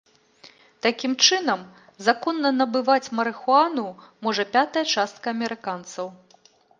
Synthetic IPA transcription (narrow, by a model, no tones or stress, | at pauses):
t̪akʲimt͡ʂɨnɐm | zakɔnːɐnɐbɨvat͡sʲmɐɾɨxuanumɔʐɐpʲat̪ɐjɐt͡ʂast̪kɐɐmʲɛɾɨkant̪sɐw